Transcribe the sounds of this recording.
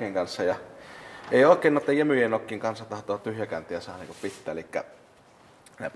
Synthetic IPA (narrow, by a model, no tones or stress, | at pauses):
eːŋkɑnsːɑjɑ | eˑioˑekːˑeˑːnːˑoˑet̪ːɑjjemyjenokːiːŋkɑnsːɑtt̪ɑht̪oːt̪t̪yhjækæˑnt̪ˑejɑsɑːhɑniːŋkuppit̪ːæːelikːæ̰ | næ̰